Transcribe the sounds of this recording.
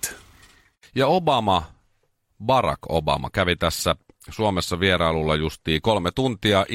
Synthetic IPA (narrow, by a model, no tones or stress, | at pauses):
jɑobɑmɑ | bɑrɑ̰ko̰bɑ̰mɑ̰kæʋit̪æsːæsuomesːɑʋieɾɑɑlulːɑjust̪iːkolmet̪unt̪iɑʔ